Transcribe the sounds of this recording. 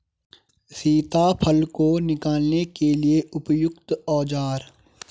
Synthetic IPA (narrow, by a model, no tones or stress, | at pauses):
siːt̪apʰəlkonɪkaːlnekelieʊpjʊkt̪ɔːd͡ʒaːɾ